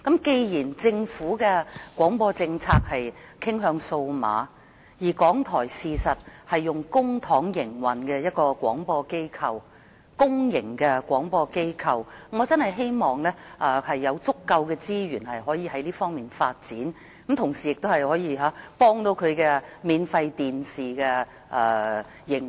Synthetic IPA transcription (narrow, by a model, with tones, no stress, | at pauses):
kɐ˨˥mke˧jjiː˨˩nt͡sɪ˧ŋfuː˨˥kɛː˧kwɔː˨˥ŋpɔː˧t͡sɪ˧ŋt͡sʰaː˧k̚hɐ˨jkʰɪ˥ŋɦœː˧ŋso˧wma̰ː˨˧ | jiː˨˩kɔː˨˥ŋt̪ʰɔː˨˩jsiː˨sɐ˨t̚hɐ˨jːʊ˨ŋkʊ˥ŋt̪ʰɔː˨˥ŋjɪ˨˩ŋwɐ˨˩nkɛː˧jɐ˥t̚kɔː˧kʷwɔ̰ː˨˥ŋpɔː˧ke˥jkʰɐ˨w | kʊ˥ŋjɪ˨˩ŋkɛː˧kʷɔː˨˥ŋpɔː˧ke˥jkʰɐ˨wŋɔː˨˧t͡sɐ˥nhɐ˨jɦe˥jmɔː˨˩ŋlɛː˥ʔɛ˧hɐ˨jːɐ˨˧wt͡sʊ˥kːɐ˧wkɛː˧t͡siː˥ɥyː˨˩nhɐ˨jɦɔː˨˥jiː˨˧hɐ˨˥jliː˥fɔː˥ŋmiː˨nfaː˧t̚t͡siː˨˥n | kɐ˨˥mt̪ʰʊ˨˩ŋsiː˨˩jɪ˨k̚t̪o˥whɐ˨jhɔː˨˥jiː˧ɦaː˨˥pɔː˥ŋt̪o˧wkʰɵ˨˧ɥkɛː˧miː˨˧nfɐ˧jt̪iː˨nsiː˨kɛː˧ | ʔɛː˧˩ | jɪ˨˩ŋ